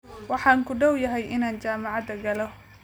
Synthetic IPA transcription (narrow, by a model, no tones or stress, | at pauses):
wɑħɑːŋkʰʊɖɐwjɐɦɛjʔɪnaːnt͡ʃaːmɑʕɑd̪ɐɡɐlɔ